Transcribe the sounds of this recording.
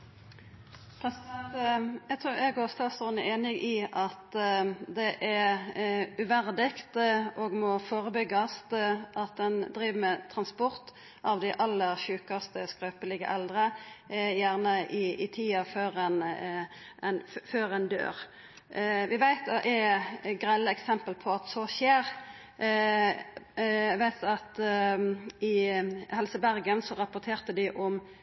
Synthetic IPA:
pʰɾɛsɪd̪ɛnt̪jæɡt̪ʰɾʉːjæɡoːʁst̪ɑːt̪sɔnəʔeːnɪɡʔɪʔɑt̪d̪ɛʔæ | ʉʋæʁd̪ɪkt̪oːɡmɔfoːʁəbʏɡɑst̪əʔɑt̪̚d̪ɛnd̪ʁiːʋəmɛt̪ʰɾɑnspɔʁt̪ | ʔɑʋd̪ɪʔɑlːəʁʃʉːkɑst̪əskɾøːpəlɪɡə̰ʔɛld̪ʁəjæːʁnəʔɪɪt̪ʰiːɑføːɾɛn | ɛnføːʁɛnd̪ø̰ːʁ | ʋɪʋæɪt̪ʔɛɡʁɛlːəɛksɛmpəlpʰɔɑt̪sɔʃeːʁ | ʋæɪt̪ɑt̪ | ɪhɛlsəbæʁɡənsɔʁɑpʊʁt̪ʰeːʁt̪əd̪ɪʔɔm

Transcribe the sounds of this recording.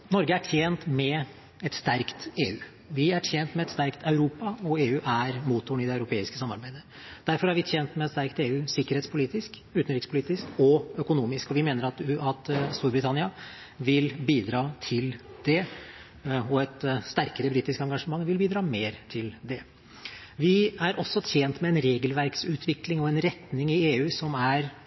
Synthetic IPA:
nɔɾɡəæʈʰjeːnt̪mɛ | ɛt̪st̪æɾkt̪eːʉː | ʋɪæʈʰjɛnt̪mɛɛt̪st̪æɾkt̪ʰɑʉɾuːpɑɔeːʉːʔæɾmuːt̪ːʊɳɪd̪ɛɑʉɾʊpʰeːɪskə̥sɑmɑɾbæɪd̪ə | d̪̥æɾfɔɾæɾʋɪt̪ʰjɛːnt̪mɛɛt̪st̪æɾkt̪eːʉːsɪkːəɾheːt̪spʰʊliːt̪ɪsk | ʉːt̪n̩ɾɪkspʊliːt̪ɪskɔœkʊnuːmɪskɔʋɪmeːnəɾɑt̪ɑt̪st̪uːɾbɾɪt̪ʰɑnɪɑ | ʋɪlbiːd̪ɾɑːt̪ʰɪld̪̥ɛ | ɔɛt̪st̪æɾkəɾəbɾiːt̪ɪskɑŋɡɑʂəmɑŋːʋɪlbiːd̪ɾɑːmeːɾt̪ʰɪld̪ɛ | ʋɪæɾʔɔsːɔt̪ʰjeːnt̪mɛɛnɾeːɡəlʋæɾksʉːt̪ʰʋɪklɪŋɔɛnɾɛt̪nɪŋɪeːʉːsɔmæɾ

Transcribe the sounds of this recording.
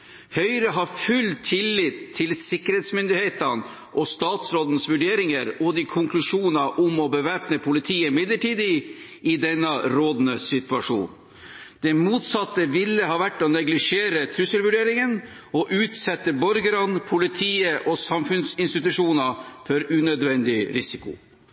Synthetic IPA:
hœʏɾəɦɑɾfʉlt̪ʰːɪlːɪt̪ʰːɪlsɪkːəɾeːt̪smʏnd̪ɪheːt̪ən | ʔɔst̪ɑːt̪sɾoːd̪n̩sʋʉɖeːɾɪŋəɾɔd̪ɪkʰʊŋkʰlʉʂuːnɑʔʊmɔbəʋæːpnəpʰʊlɪt̪ʰiːəɪmɪd̪ləʈiːd̪ɪ | ɪd̪ɛnːɑɾoːd̪nəsɪt̪ʉɑʂṵːn | d̪ɛmuːt̪sɑt̪ːəʋɪlːəɦɑːʋæʈːɔnɛɡlɪʂeːɾət̪ʰɾʉsəlʋʉɖeːɾɪŋən | ɔʔʉːt̪sɛt̪ːəbɔɾɡəɾɑnpʰʊlɪt̪ʰiːəʔɔsɑmfʉnsɪnst̪ɪt̪ʉʂuːnɑfɔɾʉnœd̪ʋɛnd̪ɪɾɪsɪkʊ̰

